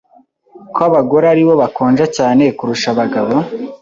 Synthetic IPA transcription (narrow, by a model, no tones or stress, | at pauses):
koaβaɡo̞ɾaɾiβo̞βakoːnʒacaːne̞kuɾuʃaβaɡaβo